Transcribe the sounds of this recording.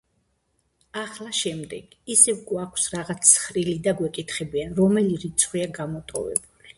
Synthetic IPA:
aχlaʃɛmd̪ɛɡ̥ | isɛvɡwakʰsɾaʁat̪sʰsχɾilid̪aɡwɛkʼit̪ʰχɛbianɾɔmɛliɾit̪sʰχwiaɡamɔt̪ʼɔ̰vɛ̰buli

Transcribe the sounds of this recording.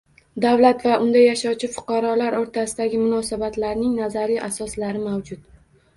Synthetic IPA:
d̪awlat̪vaʔʊnd̪ajaʃɒwt͡ʃʰɪfʊ̥qʰɑɾɒlaɾoɾt̪ʰasɪd̪aɡʲɪmʊnɒsabat̪laɾnɪŋnazaɾiʔasɒslaɾɪmawd͡ʒʊt̪

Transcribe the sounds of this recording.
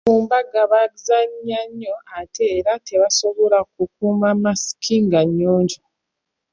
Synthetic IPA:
uːmbaɡaβaɡizaɲːaɲːo̞ate̞ːɾate̞βaso̞βo̞lakuk̚umamasi̥kʰiŋɡaɲːoːɲɟo

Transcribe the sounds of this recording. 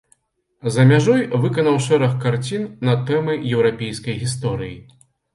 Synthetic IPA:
zɐmʲaʐɔjvɨkɐnɐwʂɛɾɐxkːart͡sʲinnɐt̪ɛmɨjɛwɾapʲejskɐjɣʲist̪ɔɾɨji

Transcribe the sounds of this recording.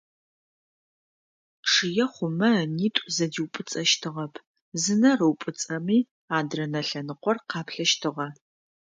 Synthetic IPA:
ʈ͡ʂʰɨjɛχʷʊmɐniːtʷʼzɐdiwpʼɨt͡sʼɐʃtʰɨʁɐpʰ | zɨnɐrɨwpʼɨt͡sʼɐmiː | aːdrɐnɐɬɐnɨqʷɔrqɑːpʰɬɐʃtʰɨʁɐ

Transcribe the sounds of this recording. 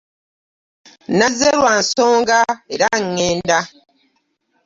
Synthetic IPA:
nazeɾwan̩soːŋɡaeɾaŋːeːnda

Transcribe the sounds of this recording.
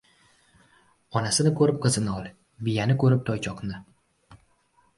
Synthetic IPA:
ɒnasɪnɪkʰɵɾɪp̚qʰɨzɪnɪɒlˠ | vɪjanɪkʰɵɾɪp̚t̪ʰɒjt͡ʃʰɒqnɪ

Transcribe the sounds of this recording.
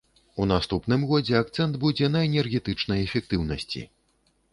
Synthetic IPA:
un̪ast̪upnɨmɣɔd͡zʲɛak̚t̪sɛnd̪bud͡zʲɛnɐɛnʲɛrɣʲɛt̪ɨt͡ʂnɐjɛfʲɛk̚t̪ɨwnɐsʲt͡sʲḭ

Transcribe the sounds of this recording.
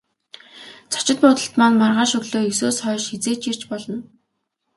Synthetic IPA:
t͡sʰɔ̥t͡ɕɪ̆t̪̚pʊːt̪ə̆ɬt̪manmarʁaːʃɵɣɮoːɵsoːsχœːʃxet͡seːt͡ɕir̥t͡ɕpɔɮɞ̆n

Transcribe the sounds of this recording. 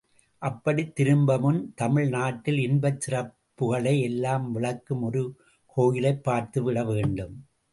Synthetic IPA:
ʔɐpːɐɽit̪ːɪɾɯmbɐmɯnt̪ɐmɪɻnaːʈːɪlɪnbɐt͡ʃːɪrɐpːɯɣɐɭɐɪɛlːaːmʋɪɭɐkːɯmɔɾɯ | koːjɪlɐɪpːaːɾt̪ɯʋɪɽɐʋeːɳɖɯm

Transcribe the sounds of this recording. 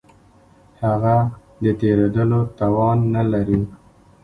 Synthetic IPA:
haɣa | d̪ət̪eɾed̪əlot̪ɑwɑnːalaɾi

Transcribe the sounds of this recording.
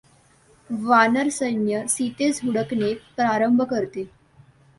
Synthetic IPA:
ʋanəɾsənjəsit̪ed͡zʱɦuɽəknepɾaɾəmbʱəkəɾt̪e

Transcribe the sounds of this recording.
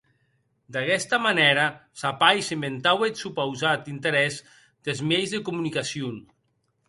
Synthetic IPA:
d̪akɛst̪amanɛɾasapajsement̪awet̪supawzat̪int̪eɾɛz | d̪̥elzmejzðekumunikasjun

